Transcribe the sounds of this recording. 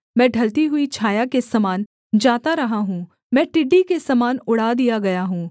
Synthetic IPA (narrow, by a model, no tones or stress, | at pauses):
mɛ̃ːɖʱɐlt̪iɦʊit͡ʃʰaːjakesɐmaːn | d͡ʒaːt̪aɾɐɦaɦũː | mɛ̃ːʈɪɖːikesɐmaːnʊɽ̤aːd̪ijaɡɐjaɦũː